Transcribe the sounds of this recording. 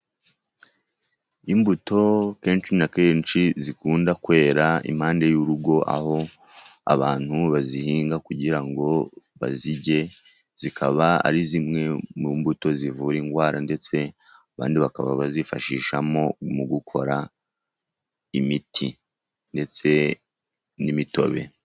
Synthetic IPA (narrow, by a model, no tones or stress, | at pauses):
imbuto̞ke̞ːnt͡ʃinakeːnt͡ʃizikuːndakwe̞ːɾaḭmhaːnde̞juɾuɡo̞ʔa̰ho̞ | a̰βaːn̥huβazihiːŋɡakuɟiɾaŋɡo̞βa̰ziɟe̞ | z̥ikʰaβaa̰ɾizimŋe̞mumbuto̞zivuːɾiːŋɡwaːɾʔande̞t͡se̞ | aβa̰ːndiβaka̰βa̰βazifa̰ʃiːʃamo̞muɡukʰo̞̰ɾa | imitʰi | nde̞t͡se̞ | nimito̞̰βe̞̰